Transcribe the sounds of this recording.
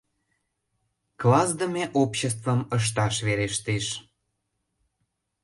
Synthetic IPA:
klɑzd̪əmeʔopɕəst̪vəməʃ̬t̪ɑʃβeɾeʃt̪eʃ

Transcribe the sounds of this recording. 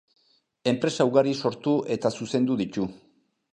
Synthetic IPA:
e̞mpɾe̞saːwɣaɾiso̞ɾt̪uʔe̞t̪asuse̞nd̪uðit̪u

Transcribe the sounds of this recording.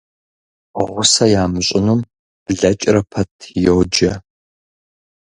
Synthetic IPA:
ʁʷʊsɐjaːmɨɕʼɪnum̥ | ɮɐt͡ʃʼrɐpʰɐtʰjɛwd͡ʒɐ

